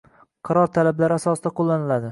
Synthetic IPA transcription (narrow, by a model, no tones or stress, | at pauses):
qʰɑɾɒɾt̪ʰalablaɾasɒsɪd̪aqʰolˠːanɪlad̪ɪ